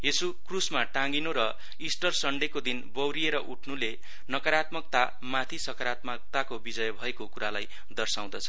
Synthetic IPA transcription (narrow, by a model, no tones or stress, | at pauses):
jesukrusmaʈãŋɡinuɾʌ | isʈʌrsʌɳɖekod̪inbʌwɾieɾʌʔuʈʰnule | nʌkʌɾat̪mʌk̚t̪a | mat̪ʰisʌkʌɾat̪mʌk̚t̪akobid͡zʌjbʱʌekokuɾalaj | d̪ʌrsaw̃d̪ʌt͡sʰʌ̥